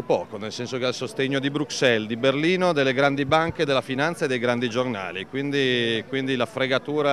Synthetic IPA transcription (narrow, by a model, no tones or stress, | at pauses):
opɔːkonelsɛnsokealsost̪eɲːod̪ibɾuksɛld̪iberliːnod̪elːeɡɾand̪ibaŋked̪elafinant̪saed̪ːejɡɾand̪id͡ʒorna̰ːlikwind̪ikwind̪ilafɾeɡat̪uːɾa